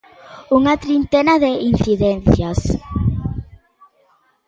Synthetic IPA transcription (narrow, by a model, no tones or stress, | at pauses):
uŋat̪ɾint̪enaðeʔinθiðenθjas